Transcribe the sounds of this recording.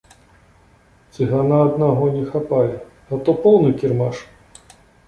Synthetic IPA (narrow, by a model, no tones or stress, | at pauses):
t̪sɨɣanaːd̪naɣɔnʲɛxapajɛ | ɣat̪ɔpɔwnɨkʲirmaʂ